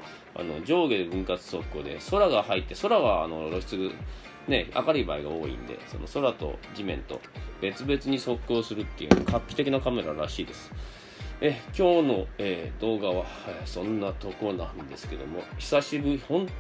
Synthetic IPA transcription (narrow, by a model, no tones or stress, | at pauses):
a̰no̞̰d͡ʑo̞ːɡed̪ebɯ̟̃ŋkat͡sɨ̥so̞kʲːo̞ːd̪e̞̰so̞ɾaɡahait̪ːe̞so̞ɾaβa̰ːno̞ɾo̞ɕi̥t͡sɨɡɯ | ne̞a̰kaɾibaiɡao̞̰ːḭ̃nd̪e̞̰so̞̰no̞̰so̞ɾat̪o̞̰d͡ʑimẽ̞̰nt̪o̞̰be̞t͡sɨbe̞t͡sɨɲ̟iso̞kːo̞ːsɨɾɯ̟t̪ːḛjɯ̟̰noo̰kʰakʲːi̥t̪e̞kʲinakame̞ɾaɾaɕiːd̪e̞sɨ̥ | ekʲo̞ːno̞eːd̪̥o̞ːɡaβaesõ̞nːat̪o̞konãnd̪e̞sɨ̥ke̞d̪o̞̰mo̞çi̥saɕibɯ̟hõ̞n